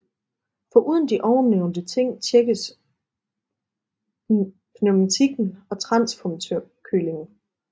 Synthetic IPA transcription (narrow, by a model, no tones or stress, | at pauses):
fɒ̽ʔuð̞ˠən̩d̥iʔɒʊɐneʊnd̥ət͡sʰe̝ŋ̰t͡ɕʰeɡ̥əs | kʰneʊmæt͡sʰiɡ̥n̩ɒ̽t͡sʰʁɑ̈n̰sfɒmæt͡sʰøɐ̰kʰyle̝ŋn̩